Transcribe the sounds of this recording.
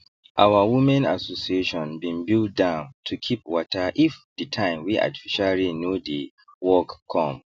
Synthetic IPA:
ʔawawumɛ̃na̰sosieʃɔ̃nbĩnbilt̚dãʊ̃ntʰukʰip̚wɔtaʔifditʰãɪ̃mwiʔa̰ti̥fiʃaɹinodi | wɔkkʰːɔ̃m

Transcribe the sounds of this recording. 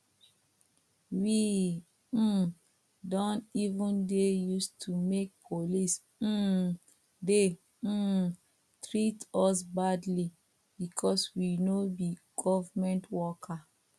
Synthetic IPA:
wi | dɔ̃ntivũndejustʰumek̚pʰolis̩ | de | tɹitɔs̬badli | bikʰɔswinobiɡ̥ɔvamɛ̃ntwɔkʰa

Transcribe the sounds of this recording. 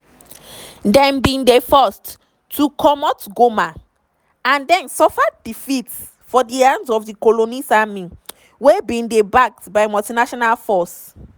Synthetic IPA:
dɛ̃nbĩndefɔst | tʰːukʰɔmɔtɡoma | ãndɛ̃nsɔfaddifits | fɔdiãndsɔfdikolonisamĩ | webĩndebak̚tbaɪmɔltinaʃɔnalfɔs

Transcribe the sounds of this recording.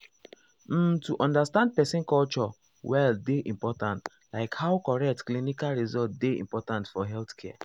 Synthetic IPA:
m̩tuʔɔ̃ndastãnd̚pɛsĩnkɔlt͡ʃɔ | wɛldeʔĩmpɔtãnt | laɪkhawkɔɹɛk̚tklinikalɹizɔltdeḭ̃mpɔtãntfɔɦɛlθkʰɛa

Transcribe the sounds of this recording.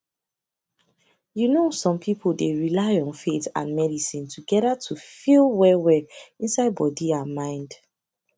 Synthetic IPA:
junosɔ̃mpʰipʰl̩ˠdeɹilaɪɔ̃nfetã̰nmɛdisĩntʰuɡɛɾatʰufilˠwɛwɛĩnsaɪd̚bɔdiamãɪ̃nd

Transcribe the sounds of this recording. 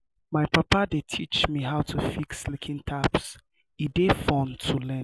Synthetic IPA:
maɪpapadetʰit͡ʃmiɦaʊtʰufikslikʰĩŋtʰaps | idefɔ̃ntʰulɛ̃

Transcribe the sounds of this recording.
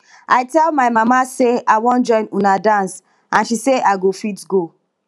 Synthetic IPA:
ʔaɪtɛlmaɪmamaseawɔ̃nd͡ʒɔ̃ɪ̃nunadãns | ãnʃiseʔaɪɡofitɡo

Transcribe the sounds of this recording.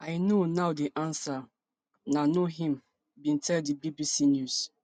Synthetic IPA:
aɪnonaʊdiʔãnsa | nanoɦĩm | bĩntʰɛldibibisinjus

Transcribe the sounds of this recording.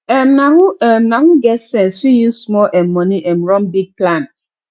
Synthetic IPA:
ɛmnahuɛmnahuɡɛtsɛ̃nswijusmɔlʔɛmːɔniʔɛmɹɔ̃mdik̚plãn

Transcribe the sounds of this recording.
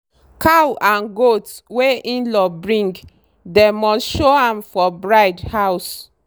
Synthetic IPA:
kʰawʔãnɡotweĩnlɔbɹĩŋɡ | demɔsʃoãmfɔbɹaɪdhaʊs

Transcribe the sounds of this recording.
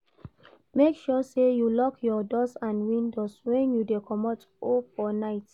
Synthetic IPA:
mekʃɔsejulɔkʰjɔdɔsãnwĩndɔswɛ̃njudekʰɔmɔt | ofɔnaɪt

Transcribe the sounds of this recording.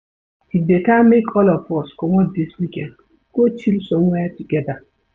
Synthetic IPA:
tidekamekʰɔlɔfɔskɔŋʷɔdiswikɛn | kot͡ʃilsoŋʷɛtikeda

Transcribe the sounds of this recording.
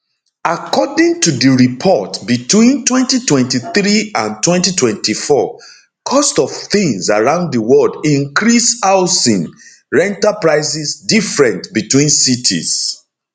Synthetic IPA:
akʰɔdĩŋtudəɹipʰɔtbitwĩntwɛ̃ntitwɛ̃ntiθɹiãntwɛ̃ntitʰwɛ̃ntifɔ | kʰɔstɔv̥θĩŋsaɹãʊ̃ndðəwɔdĩŋkɹisaʊsĩn | ɹɛ̃ntapɹaɪsisdifɹɛ̃ntbitwĩnsitʰḭs

